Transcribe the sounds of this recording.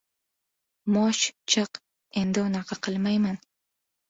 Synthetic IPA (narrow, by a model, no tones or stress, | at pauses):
mɒʃt͡ʃʰɨq | e̞nd̪ɪʊnɑqʰɑqʰɨlˠmajman